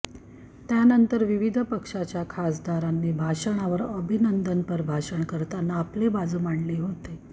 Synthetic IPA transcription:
t̪janənt̪əɾʋiʋid̪ʱəpəkʂat͡ɕjakʰasd̪aɾanːiːbʱaʂəɳ̃aʋəɾəbʱinənd̪ənpəɾbʱaʂəɳkəɾt̪anːaːplebad͡zmaɳliɦot̪e

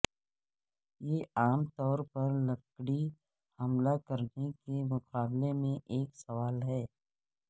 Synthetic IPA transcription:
jeːaːmt̪ɔːɾpɐɾlɐkɽi | hɐmlakəɾnekemʊqaːblemẽʔeːksɐʋaːlɦɛː

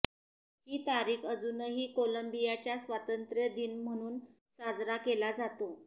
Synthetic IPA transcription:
hiːt̪aɾiːkəd͡zunəɦiːkoləmbijat͡ɕjasʋat̪ənt̪ɾjəd̪iːnm̤əɽ̃uːn | sad͡zɾakelad͡zat̪o

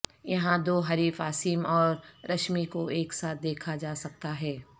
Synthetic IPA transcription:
jɐɦãd̪oːɦɐɾiːfaːsiːmɔːɾɾɐʃmikoeːksaːt̪̚d̪eːkʰad͡ʒaːsɐk̚t̪aɦɛː

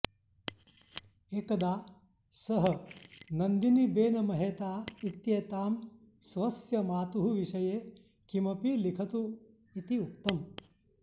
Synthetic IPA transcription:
eːkɐd̪aː | sɐɦɐ̆nɐnd̪inibeːnɐmɐɦeːt̪aːit̪jeːt̪aːm | sʋɐsjɐmaːt̪uɦuʋiʃɐjeː | kimɐpilikʰɐt̪u | it̪iuk̚t̪ɐm

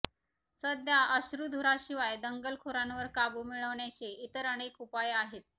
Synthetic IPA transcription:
səd̪ʱjaʔəɕɾud̪ʱuɾaɕiʋajd̪əŋɡəlkʰoɾanʋəɾkabumiɭəʋɳjat͡seit̪əɾəɽ̃ekupajaɦet̪̚

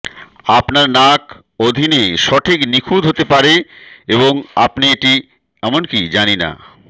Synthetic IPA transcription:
apnaɾnak | od̪ʱineʃɔʈʰiknikʰud̪ʱɦot̪epaɾeeβoŋa̰pnieʈi | ɛmonkid͡ʑanina̰

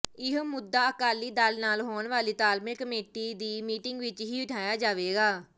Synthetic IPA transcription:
ɪɦmʊd̪ːaːəkaːlːiːd̪alnaːlɦoːɳʋaːliːt̪aːlmẽːkəmeːʈiːd̪iːmiːʈɪŋɡʋɪt͡ʃɦiːɪʈʰaːjaːd͡ʒaːʋeːɡaː

